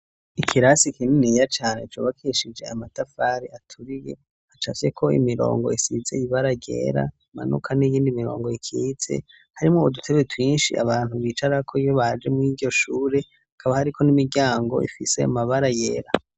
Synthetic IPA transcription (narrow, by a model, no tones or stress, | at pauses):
ikʰiɾasikininijat͡ʃaːne̞t͡ʃoːβakʰeʃid͡ʒe̞amatafaːɾiʔatʰuɾije̞ | hat͡ʃa̰t͡ʃe̞kʰo̞ḭmiɾo̞̰ːŋɡo̞isizeiβaɾaɟḛːɾa̰ | ma̰nṵkʰanijiːndimiɾo̞̰ːŋɡo̞ikʰit͡se̞̰ | haɾimŋo̞udutʰe̞βetwiːnʃḭʔa̰βaːn̥huβiːt͡ʃaɾakʰoijoβad͡ʒe̞muŋiɟo̞ʃuːɾe̞ | hakʰaβahaɾikʰo̞nimiɾɟaːŋɡo̞̰ʔḭfisemaβaɾajeːɾa